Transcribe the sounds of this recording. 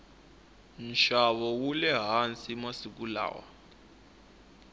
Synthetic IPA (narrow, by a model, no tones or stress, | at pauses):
nʃaβɔwulɛɦant͡simasik̬ula̰ːwa̰